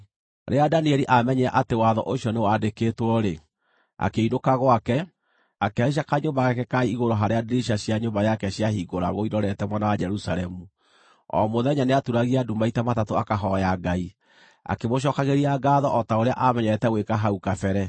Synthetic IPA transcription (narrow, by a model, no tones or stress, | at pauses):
ɾḛadaniɛɾiʔamɛɲɛɛʔatewaðɔ̰ʔoɕiɔnewadekeːtwɔɾe | a̰keinokaɣwakɛ | akeaiʃ̬akaɲombaɣɛkɛkaiɣoɾɔɦaɾeadeɾiʃaɕjaɲombajakɛɕiahiɡoɾa̰ɣoiɾɔɾɛtɛmwanawad͡ʒɛɾusaɾɛmu | ɔ̰moðɛɲaneatuɾaɣiadumbaitamatatoakaɦɔjaɡai | a̰kemoʃ̬ɔkaɣeɾiaɡaðɔʔɔtaoɾea̰ʔamɛɲɛɾɛtɛɣwekaɦaukafɛɾɛ